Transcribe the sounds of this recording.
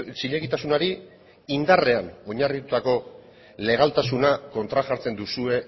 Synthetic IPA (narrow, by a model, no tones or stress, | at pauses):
t͡ʃiʎeɣit̪asunaɾi | ind̪are̞ano̞ɲarit̪ut̪ako̞ | le̞ɣ̞alt̪asunako̞nt̪ɾaʝaɾt͡se̞nd̪usue̞